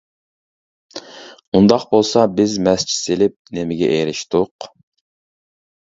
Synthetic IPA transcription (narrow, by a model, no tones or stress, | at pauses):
und̪ɑqbolˠsɑbɪzmɛst͡ʃʰi̥selɪp̚nemɪɡʲɛʔeɾɪʃt̪ʊq